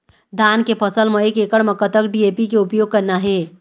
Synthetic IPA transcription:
d̪ʱaːnkepʰəsəlmɐekeːkəɽmɐkət̪əkɖieːpikeʊpjoːɡ̚kəɾnaɦɛː

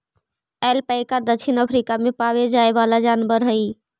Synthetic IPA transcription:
ɛːlpəɪkad̪ət͡ʃʰinəpʰɾikamepaʋed͡ʒaeʋalad͡ʒanbəɾɦəi

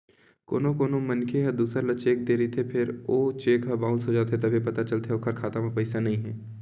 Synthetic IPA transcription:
ko̰ːnokoːnomənkʰeɦɐd̪uːsəɾlət͡ʃeːk̚d̪eːɾəit̪ʰepʰɪɾoːt͡ʃeːkɦabãːʊ̃nsɦod͡ʒaːt̪ʰet̪ɐbʱipɐt̪at͡ʃəlt̪ʰeokʰəɾkʰaːt̪amapɐɪsanɐɦĩɦɛː

